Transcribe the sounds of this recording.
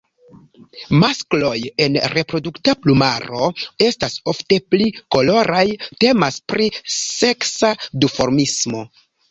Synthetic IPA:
masklo̞je̞nɾe̞pɾo̞duktaplumaɾo̞e̞staso̞fte̞pliko̞lo̞ɾʔajte̞maspɾise̞ksadufo̞ɾmismo̞

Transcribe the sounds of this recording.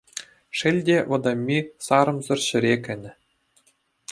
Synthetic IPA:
ʂɘ̆lʲdʲeʋɤ̆d̪ɑmʲːisɑɾɤ̆mzɘ̆rʲɕɘ̆ɾʲekʲɘ̆nʲɘ̆

